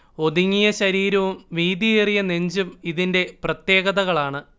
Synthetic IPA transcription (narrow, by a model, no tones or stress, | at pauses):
o̞d̪iŋːijɐɕɐɾiːɾɐʋumʋiːd̪ijerijɐne̞ɲd͡ʑumiðinde̞prɐt̪je̞ːɣɐðɐɣɐɭaːɳɨ